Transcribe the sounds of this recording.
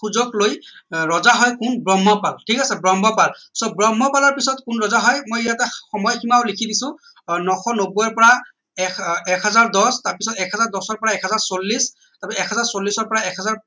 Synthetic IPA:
kʰuzɔklojɹɔzaɦɔjkʊnbɹɔmːɔpaltʰikasɛbɹɔmbɔpalsɔbɹɔmːɔpalɔɹpisɔtkʊnɹɔzaɦɔjmojijatɛxɔmɔjkimaʊlikʰidisʊ̃ | nɔxɔnobujɔɹpɔɹa | ɛkɛkɦazaɹdɔstaɹpisɔtɛkazaɹdɔsɔɹpɔɹaɛkhazaɹsolːis | tapɛiɛkɦazaɹsolːisɔɹpɔɹaɛkɦazaɹ

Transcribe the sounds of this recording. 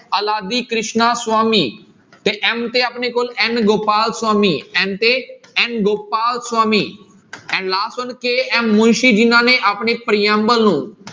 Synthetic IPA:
ɐlaːd̪ikɾɪʃnaswaːmiː | t̪eʔɛ̃mt̪eɐpnekolɛ̃ːnɡoːpaːlswaːmiɛ̃ːnt̪eɛ̃ːnɡoːpaːlswaːmi | ɛ̃ːnlaːsənkeːɛ̃ːmʊ̃nʃid͡ʒinãːnẽʔapɳepɾijaːmɓəlũː

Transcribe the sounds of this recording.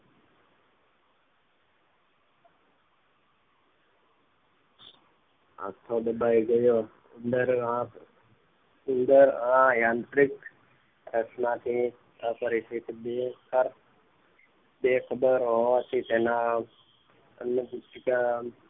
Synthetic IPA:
a̰t̪ʰod̪əbaiɡəjo | ənd̪əɾɦã | ənd̪əɾɦãjãnt̪ɾik | ɾəsnat̪ʰi | apəɾisit̪ibekəɾ | bekʰəbəɾɦoʋat̪ʰit̪ena | ə̰nəbt̪ika

